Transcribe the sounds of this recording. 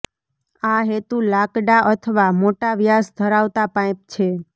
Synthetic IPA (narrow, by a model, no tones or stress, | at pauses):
aɦet̪ulakɖaʔət̪ʰəʋamoʈaʋjasd̪ʱəɾaʋt̪apãjp̚t͡ʃʰe